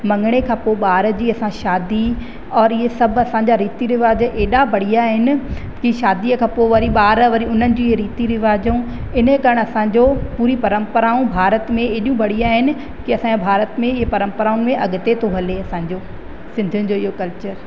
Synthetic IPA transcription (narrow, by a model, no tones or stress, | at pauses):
mɐ̃ŋɡɽ̃ekʰãːpoɓaːɾd͡ʑiːɐsãʃaːd̪i | ɔːɾɪɦesɐbʱɐsãɲd͡ʑaɾiːt̪iɾɪʋaːd͡ʑʔeːɗabɐɽ̤ijaːɦɪnɪ̆ | kiʃaːd̪iəkʰãːpoʋɐɾiɓaːɾʋɐɾiʊn̤ənɪ̆d͡ʑiːɦeɾiːt̪iɾɪʋaːd͡ʑũ | ɪnə̆kɐɾəɽ̃ɐsãːd͡ʑoːpuːɾipɐɾə̃mpəɾaːũbʱaːɾət̪mẽeːɗijũbʱɐɽ̤iaːɦɪnɪ̆ | kiɐsãbʱaːɾət̪mẽɪɦepɐɾə̃mpəɾaːʊ̃nɪ̆mẽʔɐɠʊt̪et̪ʰoɦɐleɐsãːɲ̆d͡ʑoː | sɪ̃nd̪ʱʊnɪ̆d͡ʑoːiɦokɐlt͡ɕəɾ